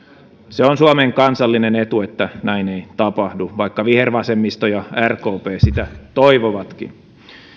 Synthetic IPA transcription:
seonsuɑmeːŋkɑnsɑlːinenet̪uet̪ːænæineit̪ɑpɑhduʋɑikːɑʋiherʋɑsemːist̪ojɑærko̞ːpeːsit̪æt̪oiʋoʋɑt̪kḭn

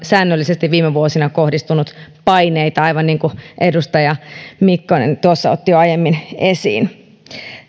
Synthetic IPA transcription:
sæːnːølːisest̪iʋʋiːmeʋuosinɑkohdist̪unut̪pɑineit̪ɑɑiʋɑnniːŋkuʔedust̪ɑjɑmikːonḛnt̪uosːɑo̰t̪ːijoɑjemːinesḭːn

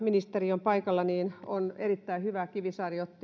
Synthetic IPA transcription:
minist̪eriompɑikɑlːɑniːnonerit̪ːæihyʋækiʋisɑriot̪ːi

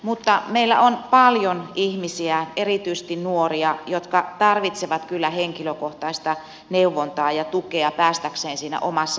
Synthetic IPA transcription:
mut̪ːɑmeilːæ̰ʔonpɑljonʔihmisiæʔerit̪yise̥st̪innuoriɑjot̪kɑt̪ɑrʋit̪seʋɑt̪kylːæheŋkiløkoht̪ɑist̪ɑ | neuʋːont̪ɑːjɑt̪ukeɑpæːst̪ækseːnsiːnæ̰ʔomɑsːɑ

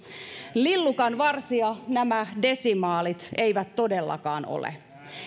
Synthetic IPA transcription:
lilːukɑnʋɑrsiɑnæmæde̞simɑːlit̪e̞iʋæt̪to̞delːɑ̰kɑ̰ːno̰lḛ

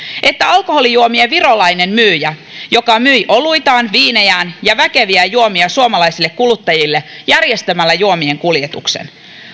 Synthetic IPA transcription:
ʔe̞t̪ːæɑlkoho̞lijuomieʋirolɑjne̞mmyːjæ | jo̞kɑmyjʔo̞luit̪ɑːnʋiːnejæːnjɑʋæke̞ʋiæjuomiɑsuomɑlɑisilːe̞kkulut̪ːɑjilːejærjest̪æmælːæjuomie̞ŋkuljet̪ṵksḛn

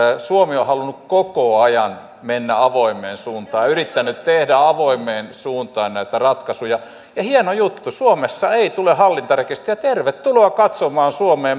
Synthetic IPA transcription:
suomiohɑlunukkokoɑjɑn | menːæɑʋoimˑeːnsuːnt̪ɑːjɑyrit̪ːænːˑytt̪ehdæɑʋoimˑeːnsuːnt̪ɑːnnæit̪ærɑt̪kɑsujɑ | jɑhienojut̪ːusuomesːɑeit̪ulehɑlːint̪ɑrekest̪ijɑt̪erʋet̪ːuloɑkɑt̪somɑːnsuomeːm

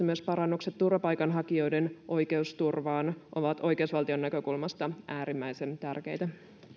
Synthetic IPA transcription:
myøspɑɾɑnːukset̪ːurʋɑpɑjkɑnɦɑkio̞jdenʔo̞jke̞ust̪urʋɑːnʔo̞ʋɑt̪o̞jke̞usʋɑlt̪io̞nːækø̞kulmɑst̪ɑæːɾimːæjse̞nt̪ærke̞jt̪æ

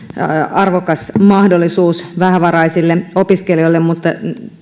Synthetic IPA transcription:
ɑrʋokɑsmɑhdolːisuːsʋæɦæʋɑrɑisilːeopiskelioilːemmut̪ːɑ

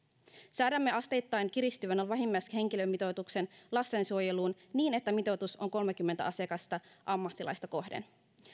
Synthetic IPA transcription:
sæːdæmːeɑst̪e̞jt̪ːɑjnkiɾist̪yʋænolʋæɦimːɑjshe̞ŋkilømːit̪o̞t̪ukse̞nlɑst̪e̞nsuo̞je̞luːn | niːne̞t̪ːæmit̪o̞t̪uso̞ŋko̞lmek̟ymːe̞nt̪æ̰ʔɑsiɑkɑst̪ɑʔɑmːɑt̪ːilɑ̰jst̪ɑko̞hdḛn

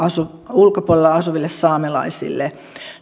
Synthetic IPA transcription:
ɑsu | ulkopolelɑɑsuʋilːessɑːmelɑ̰isḭlːe

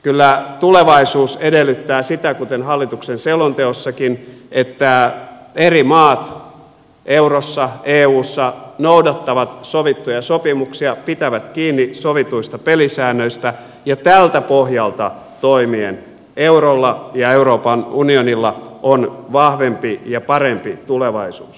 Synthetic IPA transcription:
kylːæt̪uleʋɑisuːsedelːyt̪ːæːsit̪ækut̪enɦɑlːit̪uksenseulont̪eosːɑkinʔet̪ːæ | erimɑːt̪ | ʔeurosːɑeːuːsːɑnoudɑt̪ːɑʋɑt̪soʋit̪ːujɑsopimuksiɑpit̪æʋæt̪kiːnːisoʋit̪uist̪ɑpelisæːnːøist̪æ | jɑt̪ælt̪æpohjɑlt̪ɑ | t̪oimien | eurolːɑjɑeuroːpɑnunionilːɑʔonʋɑhʋempijɑpɑrempit̪uleʋɑisuːs

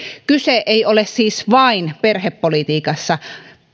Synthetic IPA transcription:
kyseʔeiolessiːsʋɑinperheppolit̪iːkɑsːɑ

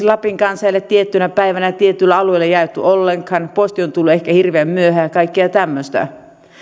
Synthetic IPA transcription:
lɑpiŋkɑnsælːet̪t̪ːiet̪ːynæpæiʋænæt̪iet̪ːˑylːæɑlueilːejɑet̪ːy̰ʔolːeŋkhɑnpost̪iont̪ulːuehkæhirʋeæmmyøhæːɑkɑikːeɑt̪æmːøst̪æ̰

